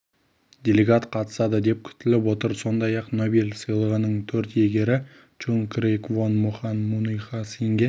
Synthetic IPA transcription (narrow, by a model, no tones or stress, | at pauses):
d̪ʲe̞lʲeɡɑt̪qʰɑt̪ə̥sɑd̪əd̪e̞p̚kʲʰʏ̥t̪ɪlɪpwo̞t̪əɾso̞nd̪ɑjɑqnobilʲsəjlˠəʁənəɴt̪ʰɵɾt̪je̞ɡʲe̞ɾɪ | t͡ʃuŋkrejkvonmuχɑnmunujχɑsiŋɡʲe